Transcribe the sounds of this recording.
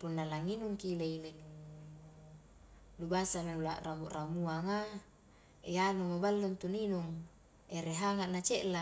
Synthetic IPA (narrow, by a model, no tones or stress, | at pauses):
punːalaŋinuŋkileilek | lubasamenula̰ʔramuramuaŋa | eanumobalːunt̪uninuŋ | eɾeɦaŋaʔnat͡ʃeʔla